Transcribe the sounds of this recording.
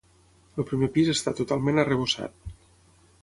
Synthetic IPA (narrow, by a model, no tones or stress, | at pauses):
əlˠpɾimepizəst̪at̪ut̪alˠmenərəβ̞usa̰t̪̚